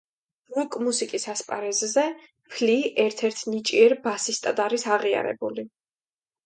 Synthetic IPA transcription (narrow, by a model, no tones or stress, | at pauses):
ɾukʼmusikʼisaspʼa̰ɾɛzzɛ | pʰliʔɛɾt̪ʰɛɾt̪ʰnit͡ʃʼiɛɾbasist̪ʼad̪aɾisaʁia̰ɾɛ̰buli